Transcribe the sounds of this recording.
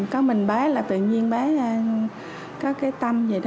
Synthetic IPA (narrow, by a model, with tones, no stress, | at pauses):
kɔ˨˦mï˨˩ŋ̟ɓaː˨˦laː˨˩t̪ɨ̰˧˨ɲi˧ənɓaː˨˦˧ | kaː˨˦˥kkːaː˨˦jt̪a˧mze˨˩ɗ